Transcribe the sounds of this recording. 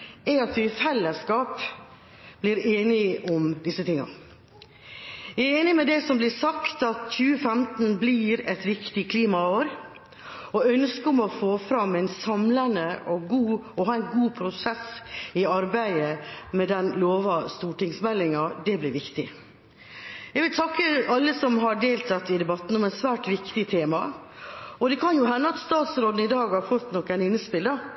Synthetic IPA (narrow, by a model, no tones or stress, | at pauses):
ɛɑt̪ʋɪfɛlːəskɑːp | b̥lɪɾeːnɪʔɔmd̪ɪsət̪ɪŋːɑ̰ | æeːnɪmɛd̪ɛsɔmblɪsɑkt̪ɑt̪çʉːəfɛmt̪n̩bliɾɛt̪ʋɪkt̪ɪkʰliːmɑoːɾ | ɔœnskəɔmɔfoːfɾɑmːæɪnsɑmlɑnəɔɡuːɔhɑːɛɪnɡuːpʰɾʊsɛsɪɑɾbæɪəmɛd̪ɛnloːʋɑst̪uːʈɪŋsmɛlːɪŋɑd̪ɛblɪɾʋɪkt̪ɪ | jɛɡʋɪlt̪ʰɑkːəɑlːəsɔmɦɑɖeːlt̪ʰɑt̪ːɪd̪ɛbɑt̪ːn̩ɔmɛnsʋæːʈʋɪkt̪ɪt̪ʰeːmɑ | ɔd̪ɛkʰɑnjʊɦɛnːəɑt̪st̪ɑːt̪sɾoːd̪n̩ɪd̪ɑːɡhɑɾfɔt̪ːnɔkːænɪnːəspɪld̪ɑ